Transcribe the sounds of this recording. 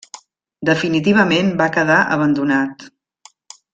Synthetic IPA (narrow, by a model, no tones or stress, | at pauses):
d̪əfinit̪̬iβ̞əmenbakəðaʔə̰β̞ənd̪unat̪